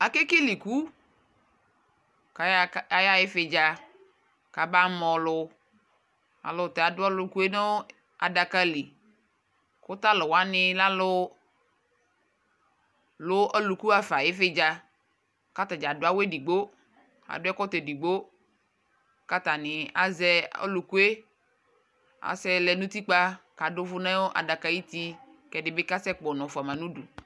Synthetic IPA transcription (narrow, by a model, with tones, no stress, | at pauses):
a˨ke˦ke˦li˨ku˦ | ka˨ja˦jɪ˦fɪ˨d͡ʒa˦ | ka˨ba˦mɔ˨lʊ˦ | a̰˨lʊ˨t̪ɛ˨a˨dʊ˦a˦lʊ˦ku˦e˦no˦ | a̰˨da˨ka˦li˨ | kʊ˦t̪a˦lo˨wa˦nɪ˦la˦lʊ˦ | lo˦ʔe˦lu˨ku˦a˨fa˨je˦fe˦d͡ʒa˦ | ka˦t̪a˨d͡ʒa˨do˦a˦we˦di˨ɡ͡bo˦ | a̰˨dʊ˦ɛ˦kɔ˦t̪e˨di˨ɡ͡bo˦ | ka˦t̪a˨nɪ̃˨a̰˨zɛ˦o̰˦lu˨ku˦e˦ | a̰˨sɛ˦lɛ˨nũ˦t̪i˦k͡pa˦ka˨dʊ˦vʊ˦nã˦wo˦ʔa̰˨da˨ka˦ji˦t̪i˦ | kɛ˨dɪ˦be˦ka˦sɛ˦k͡pɔ˨nɔ̃˨fa˨mã˨nũ˦ɖu˨